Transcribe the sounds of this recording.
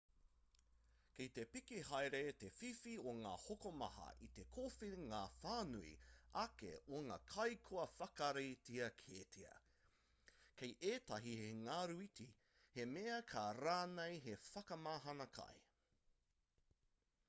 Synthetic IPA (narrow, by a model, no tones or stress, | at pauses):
kit̪epikiɦajɾet̪efifioŋa̰ːhokomɐ̰hɐ̰ʔit̪ekʰoːfiniŋaːfaːnuḭɐkḛoŋa̰ːkʰɐjkʰoɐfɐkɐɾejtʰiɐkʰeːtʰiɐ̰ | kʰejʔeːtɐɦiheŋaːɾuiti | he̞meɐkʰaɾaːnejɦefɐkɐmaːɦɐnɐkʰɐ̰j